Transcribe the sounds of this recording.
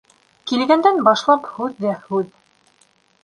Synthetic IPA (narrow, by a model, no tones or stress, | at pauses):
kilɡænd̪ænbɑʃlˠɑphʉðːæhʉð